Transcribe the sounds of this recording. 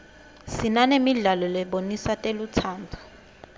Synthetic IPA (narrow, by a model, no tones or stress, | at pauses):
sinanemiɮalɔlɛɓonisatʼelutʰaːntʰu̥